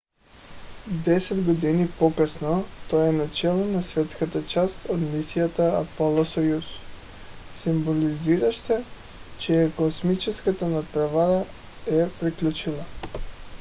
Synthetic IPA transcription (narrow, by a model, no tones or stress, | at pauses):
d̪ɛsɛd̪ɡod̪inipɔkəsnot̪oɛnat͡ʃɛlˠonasvɛt̪skat̪at͡ʃast̪od̪misijat̪aːpolˠosɔjus | simboliziɾaʃt̪ɛ | t͡ʃɛɛkosmit͡ʃɛskat̪anat̪pɾavaɾa | ɛpɾiklʲut͡ʃilˠa